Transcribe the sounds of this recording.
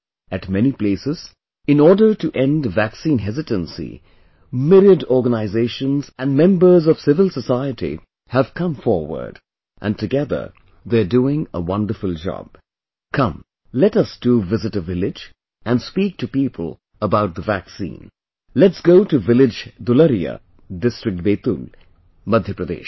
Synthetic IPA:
ɨtmɛnipl̥eɪsɨz̥ | ɨ̃nɔɹdə˞tɨʔɛ̃ndvæksĩnɦɛzɨtə̃nsḭ | mɪɾədɔɹɡənaɪzeɪʃə̃nzɨ̃nmɛ̃mbə˞zʌv̥sɪvəl̩ˠsəsaɪɨɾḭ | həv̥kʰʌ̃ɱfɔɹwə̰˞d | ʔɨ̰̃ntɨɡɛðə̰˞ | ðə˞duɪ̃ŋəwʌ̃ndə˞fəlˠd͡ʒɑ̰b̥̚ | kʰʌ̃m | lɛtʌsd̥uvɪzɨtəvɪlɪd͡ʒ | ʔæ̃nspiːk̚tʰɨpipʰəl̩ˠ | əbaʊt̪̚ðəvæksḭ̃ːn | lɛtsɡ̥oʊtuvɪlɪd͡ʒd̪ʊləɾiə̰ | dɪstɹ̥ɨk̚t̚beːt̪ul | mʌd̪ʱjəpɾəd̪ḛːʃ

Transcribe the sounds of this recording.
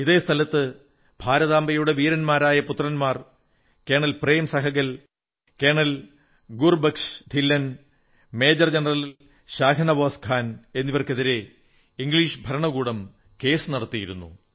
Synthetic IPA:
iðe̞ːst̪ʰɐlɐt̪ːɨ | b̥ʱaːɾɐðaːmbɐjuɽe̞ʋiːɾɐnmaːɾaːjɐput̪ːrɐnmaːr | ke̞ːɳɐlpre̞ːmsɐɦɐɣɐl | ke̞ːɳɐl | ɡurbɐkʂt̪ʰilːɐn | me̞ːd͡ʑɐrd͡ʑenɐrɐl | ɕaːkʰɐnɐʋoːskʰaːne̞nːiʋɐrke̞ðiɾe̞ | iŋɡliːʂbʱɐɾɐɳɐɣuːɽɐm | ke̞ːsɨnɐɽɐt̪ːijiɾunːṵ

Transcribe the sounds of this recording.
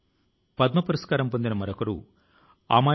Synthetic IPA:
pɐd̪̚mɐpɐɾɐskaːɾɐmpond̪inɐmɐɾokɐɾṵ | a̰ːmaː

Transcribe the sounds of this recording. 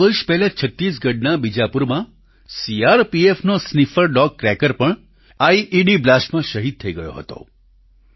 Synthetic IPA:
əɾʃpɛɦlat͡ʃʰət̪ːɾis̬ɡəɖnabid͡ʒapuɾmã | siaɾpiefnosnifəɾɖɔkːɾɛkəɾpəɳ | aiʔiɖiblasʈmãʃəɦid̪̚t̪ʰəiɡəjo̰ɦə̰t̪o̰

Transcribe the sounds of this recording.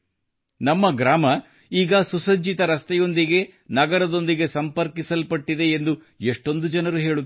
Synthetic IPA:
nɐmːɐɡɾaːmɐ | iːɡɐsusɐɲd͡ʒit̪ɐɾɐst̪ɛjo̞nd̪iɡe̞nɐɡɐɾɐd̪o̞nd̪iɡe̞sɐmpɐɾkisɐlpɐʈːid̪e̞ːnd̪u | eʂʈo̞nd̪ud͡ʒɐnɐɾuɦe̞ːɭu

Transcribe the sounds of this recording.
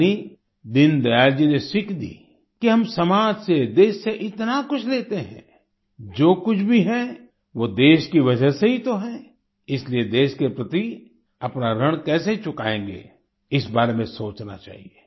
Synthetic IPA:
i | d̪ɪnd̪ɐjaːld͡ʒinesɪkʰd̪ḭː | kiɦɐmsɐmaːd͡ʒsed̪eːʃseʔɪt̪nakʊt͡ʃʰleːt̪eɦɛ̰̃ː | d͡ʒoːkʊt͡ʃʰbʱiɦɛ | ʋod̪eːʃkiʋɐd͡ʒəseɦit̪oɦɛː | ɪslied̪eːʃkepɾɐt̪i | ɐpnaɾɐɽ̃kɛːseit͡ʃʊkaːẽːŋɡḛ | ɪsbaːɾemẽsoːt͡ʃna̰t͡ʃa̰ːɦieː

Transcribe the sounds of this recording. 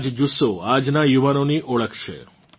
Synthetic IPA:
d͡ʒd͡ʒusoad͡ʒnajuʋanoniʔɔɭəkʰt͡ʃʰḛ

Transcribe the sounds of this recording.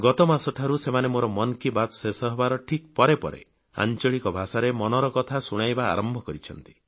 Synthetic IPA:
ɡɔt̪ɔmasɔʈʰaɾusemanemoɾɔmɔnkibat̪sesɔɦbaɾɔʈʰik̚pɔɾepɔ̰ɾḛ | a̰nt͡ʃɔɭikɔbʱasaɾemɔnɔɾɔkɔt̪ʰasuɽ̃ajba̰ːɾɔmbʱɔkɔɾit͡ʃʰɔn̪t̪i̥

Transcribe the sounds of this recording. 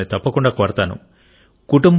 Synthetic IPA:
nit̪ɐpːɐkuɳɖaːkoɾɐt̪aːnṵ | kuʈumb

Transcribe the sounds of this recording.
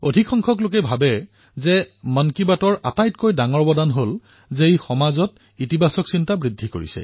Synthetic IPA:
odʱikʰɔŋkʰɔk̬lok̬ɛbʱabɛ | zɛmankibatɔɹʔa̰tajtkojdaŋɔɹbɔdanɦol | zejxɔmazɔt | itibasɔksintabɹidʱːiko̰ɹḭsɛ̰

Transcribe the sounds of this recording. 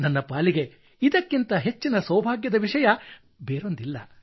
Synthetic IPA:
nɐnːɐpaːliɡe̞ | id̪ɐkːint̪ɐɦe̞t͡ʃːinɐsɐwbʱaːɡjɐd̪ɐʋiʂɐjɐ | beːɾo̞nd̪ilːɐ

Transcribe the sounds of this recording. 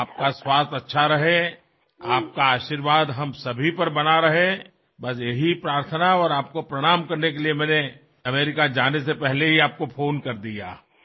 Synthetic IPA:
aːp̚kaswaːst̪ɐtːʃʰaɾɐɦe | aːp̚kaaːʃiːɾʋaːd̪ɦɐmsɐbʱipɐɾbɐnaɾɐɦe | bɐs̬jeɦipɾaːɾt̪ʰənaɔːɾaːp̚kopɾɐɽ̃aːmkɐɾnek̬eliemɛ̃ːne | ɐmeːɾɪkad͡ʒaːnesepɛɦleɦiaːp̚kofʰoːnkɐɾd̪ija̰ː

